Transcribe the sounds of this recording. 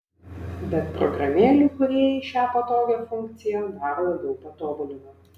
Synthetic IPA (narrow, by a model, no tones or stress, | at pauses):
bʲɛt̪pɾɔ̰ɡɾɐmʲeːlʲuːkʊɾʲeɛjɪʃʲæːpɐt̪oːʋʲefʊŋʲkt̪sʲɪjɛd̪ɑɾɐlˠɐbʲɛʊpɐt̪oːbʊlʲɪmɐ